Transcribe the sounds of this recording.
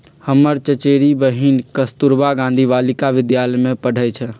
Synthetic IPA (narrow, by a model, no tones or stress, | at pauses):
həməɾt͡ʃət͡ʃeːɾibəɦinkəst̪uɾbaɡãːnd̪ʱiʋaːlɪkaʋɪd̪jaːləjmẽpəɽ̤ʱəjt͡ʃʰə